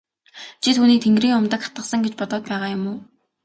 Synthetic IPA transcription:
t͡ɕʰit̪ʰuːniːk̚t̪ʰeŋɡriːŋʊmt̪ə̆kχḁt̪ə̆χsə̆ŋɡet͡ɕpɔt̪ɔːt̪̚pæːʁaːjʊmʊː

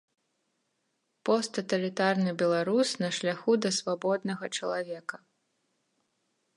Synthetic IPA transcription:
pɔst̪ɐt̪ɐlʲit̪arnɨbʲɛlˠaɾusnɐʂlʲaxud̪ɐsvabɔd̪nɐɣɐt͡ʂɐlˠavʲɛkɐ

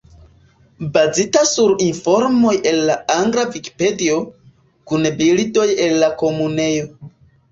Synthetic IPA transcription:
bazitasuɾinfo̞ɾmo̞jʔe̞nːaaŋɡɾaviki̥pe̞dio̞ | kunbilido̞jelːako̞mune̞jo̞

